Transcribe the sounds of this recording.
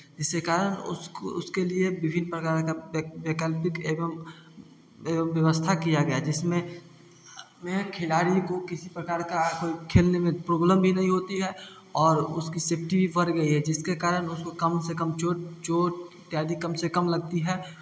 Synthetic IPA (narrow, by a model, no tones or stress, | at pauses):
d͡ʒɪskekaːɾənʊ̰sʊskeliebɪbʱɪnpɾɐkaːɾkabekəlpɪkem | eːəmʋjɐʋəst̪ʰakijaɡɐjad͡ʒɪsmẽ | mẽkʰɪlaːɾikokɪsipɾɐkaːɾkakoːikʰeːlnemẽpɾoːbləmbʱinɐɦĩɦoːt̪iɦɛ | ɔːɾʊ̰skiseːpʰʈibʱiʋɐɾɡɐiɦɛd͡ʒɪskekaːɾənʊskokɐmsekɐmt͡ʃoːʈt͡ʃoːʈ | t̪jaːd̪ikɐmsekɐmlɐɡ̚t̪iɦɛː